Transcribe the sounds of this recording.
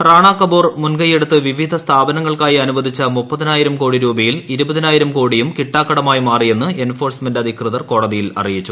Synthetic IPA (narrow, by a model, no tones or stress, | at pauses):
raːɳaːkːɐboːrmunɡɐjeɽut̪ːɨʋiʋid̪ʱɐst̪ʰaːbɐnɐŋːɐɭkaːjiɐnubɐd̪ʱit͡ɕːɐmupːɐðɐnaːjiɾɐmko̞ːɽiɾuːbɐjiliɾubɐðinaːjiɾɐmko̞ːɽijumkiʈːaːkːɐɽɐmaːjimaːrije̞nːɨe̞nfo̞ːrsmendɐd̪ʱikrɨðɐrko̞ːɽɐðijilɐ̰rijit͡ɕːu